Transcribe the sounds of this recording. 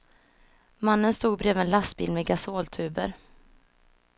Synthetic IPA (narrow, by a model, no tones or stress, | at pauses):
manːənst̪uːɡ̚bɾeːvɛnlast̪bɪ̰lmɛɡasoːlt̪ʰʉ̟ːbə̰ɾ